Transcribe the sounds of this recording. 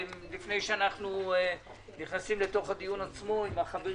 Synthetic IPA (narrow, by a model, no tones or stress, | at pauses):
lifne̞jʃeanaχnu | niχnasimle̞t̪o̞χhad̪ijunat͡smo̞imaχabe